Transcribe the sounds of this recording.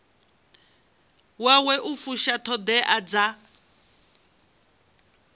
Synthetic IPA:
wawɛʔufuʃatʰɔd̪ɛʔad͡za

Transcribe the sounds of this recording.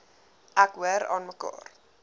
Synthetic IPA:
ʔækwəɾɑ̰nməkɑ̰ːr

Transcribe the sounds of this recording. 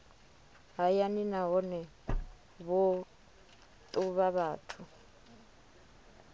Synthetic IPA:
ɦajaninaɦɔnɛ | βɔ | t̪ʼuβaβaːtʰu

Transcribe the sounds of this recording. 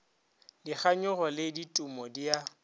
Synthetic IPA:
diχaɲʊɣɔlɪditʼumɔdia

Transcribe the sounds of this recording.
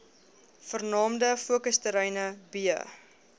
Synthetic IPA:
fərnɑːmdəfuəkəstəɾɛjnəbiə̰

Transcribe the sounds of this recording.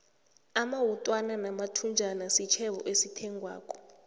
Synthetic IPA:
amawutʼwananamatʰund͡ʒʱanasit͡ʃʰɛɓɔʔesitʰɛŋʱwa̰ːk̬ʰʼɔ̥

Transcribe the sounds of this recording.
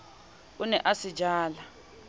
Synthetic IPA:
unɛʔasid͡ʒʱaːla

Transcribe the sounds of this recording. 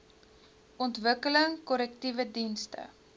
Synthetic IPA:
ʔɔntvəkələŋkɔlɛktivədinstə̰

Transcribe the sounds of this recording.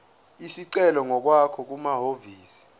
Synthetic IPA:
isiǀɛlɔŋɔk̬wakʰɔk̬umaɦoviːsi̥

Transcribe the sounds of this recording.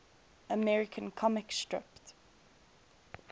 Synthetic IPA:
əmɛɹɪkʰə̃nkʰɔmɪkstɹɪ̰pt

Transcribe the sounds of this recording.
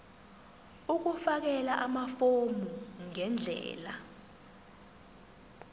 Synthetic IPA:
uk̬ufak̬ɛlaʔamafomʱuŋɛnd͡ɮʱɛ̰ːla

